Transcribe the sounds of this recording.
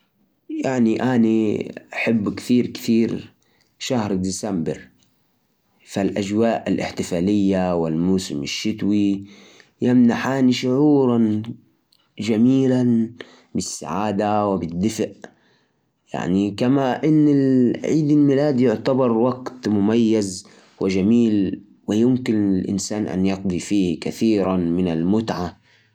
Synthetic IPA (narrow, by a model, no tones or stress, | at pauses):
jaʕniʔaniʔaħɪbːkθiːɾkθiːɾ | ʃahɾd̪isambɪɾ | falʔad͡ʒwaːʔɪlʔɪ̰ħt̪ɪfaːlɪjːawɪlmuːsɪmɪʃːɪt̪wi | jamnaħaːniʃʊʕuːɾˤɑn | d͡ʒamiːlan | bɪsːa̰ʕaːd̪awɪbɪd̪ːɪfʔ | ja̰ʕnikamaʔɪnːɪlʕiːd̪ɪlmɪlaːd̪jʊʕt̪abɑɾˤwaɡt̪mʊmajːaz | wɪd͡ʒamiːl | wɪjɪmkɪnlʔɪ̰nsaːnʔa̰njɑqd̪ˤifiːhkaθiːɾamɪnalmʊt̪ʕa